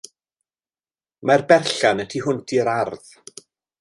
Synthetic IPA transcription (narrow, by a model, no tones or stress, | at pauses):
marbɛrɬanətʰiɦʊntʰiɾarð